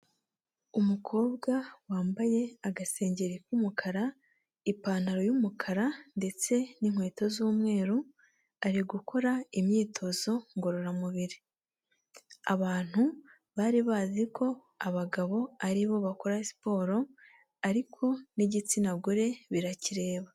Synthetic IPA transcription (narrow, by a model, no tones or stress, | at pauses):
umukʰo̞ːbɡawaːmbaje̞aɡase̞ːɲɟeɾikumukʰaɾa | ipaːn̥aɾo̞jumukʰaɾande̞t͡se̞niŋ̥we̞ːto̞zuːmŋe̞ːɾu | aɾiɡuko̞ɾaimɲiːtʰo̞zo̞ŋɡo̞ɾo̞ɾamuβiɾi | a̰βaːn̥hu | βaɾiβaːzikʰo̞ | aβaɡaβo̞aɾiβo̞βakoɾasi̥po̞ːɾo̞ | aɾikʰo̞niɟit͡sinaɡuɾe̞βiɾaciɾe̞ːβa